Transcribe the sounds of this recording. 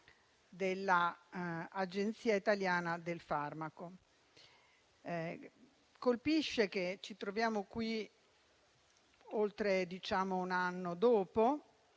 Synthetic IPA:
d̪elːaː | d͡ʒent̪siːait̪aljaːnad̪elfarmako | kolpiʃːek̟et͡ʃit̪ɾovjaːmokwi | olt̪ɾed̪it͡ʃaːmounanːod̪oːpo

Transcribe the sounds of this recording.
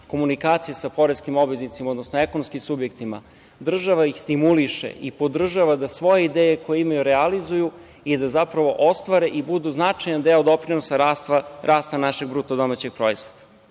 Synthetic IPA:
ko̞munikaːt̪sijesapo̞ɾeskimo̞bʋeznit̪simaod̪nosnoe̞konomskimsubje̞kt̪ima̰ | d̪r̩ʒaʋaixst̪imuliʃḛʔipo̞d̪r̩ʒaʋad̪asʋo̞je̞id̪eːjeko̞jeimajuɾealizuju | id̪azapɾaʋo̞ʔo̞st̪ʋaɾeʔibud̪uznat͡ʂajand̪eod̪o̞pɾinosaɾast̪aɾʔaːst̪anaʃeɡ̚bɾut̪od̪o̞mat͡ɕe̞ɡ̚pɾo̞izʋod̪ḁ

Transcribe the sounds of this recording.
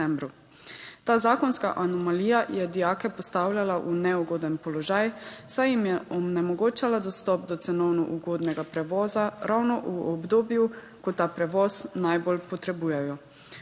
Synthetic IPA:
ɛmbɾu | t̪aːzaːkɔnska̰ʔanɔmaliːjajɛd̪ijaːkɛpɔst̪awlʲjalaʔunɛuɡoːd̪ɛnpɔlɔʒaːjsajimjɛɔnɛmɔɡoːt͡ʃalad̪ɔst̪ɔːp̚d̪ɔt̪sɛnɔwnuʔuɡoːd̪nɛɡapɾɛʋɔːzaɾawnɔʔuɔbd̪oːbju | kɔt̪aːpɾɛʋɔznajbolpɔt̪ɾɛbuːjɛjɔ

